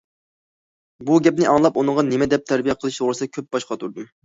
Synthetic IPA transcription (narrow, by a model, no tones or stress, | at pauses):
buɡʲɛp̚nɪʔɑŋlˠɑpunɨŋʁɑnemɛd̪ɛp̚t̪ʰæɾbijɛqʰəlˠɨʃt̪ʰoʁɾɨsd̪kʲʰøp̚b̥ɑʃqɑt̪ʰuɾd̪um